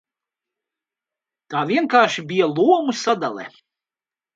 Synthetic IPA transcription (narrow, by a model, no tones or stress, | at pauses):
t̪aːviɛnkaːɾʃibijalˠuɔmusad̪a̰lˠɛ̰